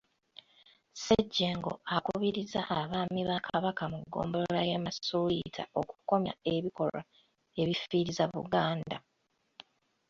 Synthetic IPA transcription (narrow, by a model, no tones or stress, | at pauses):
seɟːeːŋɡo̞̰akuβiɾizaʔaβaːmiβakʰaβakamuɡːo̞̰ːmbollajamasuitʰa̰okuko̞mja̰e̞βiko̞la̰ | e̞βifiːɾizaβṵɡaːnda